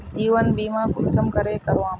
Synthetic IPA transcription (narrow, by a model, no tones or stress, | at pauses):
d͡ʒiːʋənbiːmãːkʊt͡ʃʰəmkəɾeːkəɾʋãːm